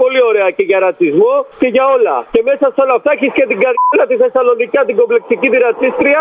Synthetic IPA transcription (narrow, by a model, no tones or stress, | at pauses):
po̞lio̞ɾe̞ɐce̞ʝɐɾɐt͡sizmoce̞ʝɐo̞lɐ̰ce̞me̞sɐst̪eolɐft̪ɐeçiscet̪iɡɐɾlɐt̪iθe̞sɐlo̞nicɐt̪iɡo̞ble̞k̚sicit̪iɾɐt͡sist̪ɾiɐ